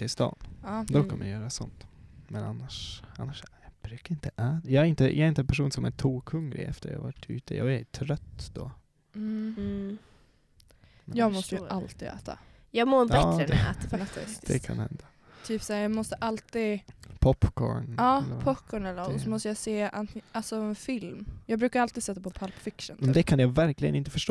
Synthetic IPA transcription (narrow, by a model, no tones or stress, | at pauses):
t̪ʰɪst̪ɑ̰ːnɑːd̪ɔkʰamːəjjœːɾasɔnt̪mɛna̰nːaʂanːaʂb̥ɾʉ̟ːkaɾɪnt̪əʔæːt̪jɑːɡæɾɪnt̪əjʔɑːɛɾɪnt̪əɛnpæʂuːnsɔmæt̪ʰuːkʰɵŋɾɪ̰ɛ̰ft̪əɾjɑ̰ːha̰vaʈʰːʉ̟̰ːt̪əjɑːɡæt̪ʰɾœt̪ːd̪̥ɔ | mɛj̪ɑːɡmɔst̪əjʔalt̪iːɡ̪ɛ̰ːt̪ʰa̰ | jɑːɡmoːb̪ɾəɛæ̰ːt̪aɛd̪ɛ̰kʰa̰nhɛ̰nd̪a | t̪ʰyːpsaːɾjɑːɡmɔst̪əʔalt̪iːpʰɔpkʰo̰ːɳɑːlpʰɔpkʰɔːɳɛlːənɔɔsɔmɔst̪əjaseːʔanʔalsɔɛnfɪlmjɑːɡbɾʉ̟ːkaɾalt̪iːd̪sɛt̪ːapʰɔpʰalpfɪkʂənmɛnd̪ɛkʰanjavæɾklɪɡə̰nɪnt̪əfœʂʈoː